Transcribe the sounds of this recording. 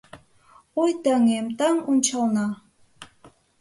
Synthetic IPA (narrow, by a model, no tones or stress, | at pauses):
ojt̪əŋemt̪ɑŋunʲt͡ɕɑlnɑ